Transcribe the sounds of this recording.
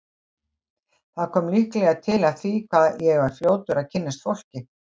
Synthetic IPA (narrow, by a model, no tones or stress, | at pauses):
θaðkʰɔːmlihklɛɣaðt̪ʰɪlaðθikʰvaðjɛɣvaɾ̥fljoːwt̪ʏɾawcʰɪnːast̪fowl̥cɪ